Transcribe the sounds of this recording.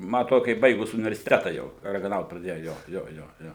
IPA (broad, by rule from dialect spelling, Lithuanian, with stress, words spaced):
ˈmɐ ɐˈtroːdʊ kɐ ˈjɪ ˈbɐɪɡʊs ʊnʲɪʋʲɛrʲsʲɪˈtʲæːtɐ jɛʊ rɐɡɐˈnɐʊt prɐˈdʲeːjʊ ˈjoː ˈjoː ˈjoː ˈjoː